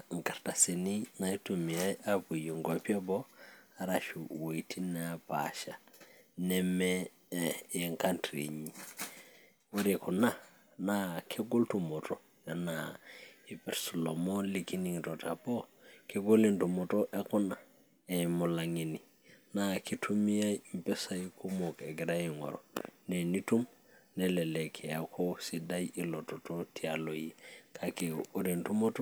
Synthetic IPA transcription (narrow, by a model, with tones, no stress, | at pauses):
ŋ˨ka˨ɾta˨se˨ni˦na˨i˦tu˨mi˨a˦ja˦bu˨ji˨ŋɡa˦pi˦a˦bɔ˦a˨ɾa˨ʃu˨wo˨itʰi˦napa̰ʃa˨nɛ˦mɛ˦ | je˨ŋka˦ntɾḭ˨ɲi˨ | wo˦ɾeku˨na˦ | nakʰe˦ɡo˦ltu˨mɔ˨tɔ | ja˨na | i˨pe˨ɾsulo˨moliki˦ni˨ŋto˨ta˨po˦keɡo˦le˦ntu˨mo˨toʔe˦ku˦na˨ | emu˨la˨ŋi˨ni˨ | naki˦tu˦mi˦ja˦jmpe˦sa˦jko˦mo˨ke˨ɡi˨ɾa˦jiŋo̰˨ɾo̰˨ne˨ni˦tu˦m | ne˨le˨le˨kʰe˨ja˨kʰo˦si˨da˦jii˨lo˨to˨totʰialo˨ji˨kʰake˨oɾe˨ntu˦mo˦to˦